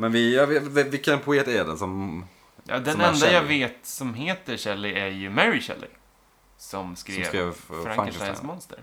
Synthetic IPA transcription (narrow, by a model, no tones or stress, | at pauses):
mɛnvɪjɑvvvɪkːənpʰʊeːt̪ædɛ̰sɔm | jɑ̰ːd̪ɛnɛnd̪ajaveːt̪sɔmɦeːt̪əɕɛlːɪæɾjɵmæɾɪɕɛ̰lːʔɪ̰ | sɔmskɾeːkɾeːvfɾafŋaəlajnsmɔnst̪ə̰ɾ